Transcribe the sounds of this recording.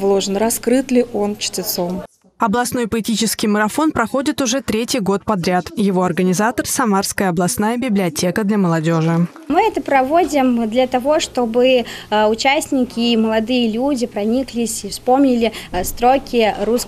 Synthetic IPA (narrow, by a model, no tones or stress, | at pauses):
vlˠo̞ʐɨnrɐskɾɨt̪lʲɪʔont͡ɕtʲɪt̪so̞m | ɐblˠɐsno̞jpəɪtʲit͡ɕɪskʲɪjməɾɐfo̞npɾɐxo̞dʲɪt̪ʊʐɛt̪ɾʲetʲɪjɡo̞t̪̚pɐd̪ɾʲat̪jɪvo̞ɐrɡənʲɪzat̪ərsɐmarskəjəɐblˠɐsnajəbʲɪblʲɪɐtʲe̞kəd̪lʲɐməlˠɐdʲo̞ʐɨ | mɨɛt̪əpɾɐvo̞dʲɪmd̪lʲɐt̪ɐvo̞ʂt̪o̞bɨʊt͡ɕæsʲnʲɪkʲɪməlˠɐd̪ɨjəlʲudʲɪpɾɐnʲiklʲɪsʲifspo̞mnʲɪlʲɪst̪ɾokʲɪɾus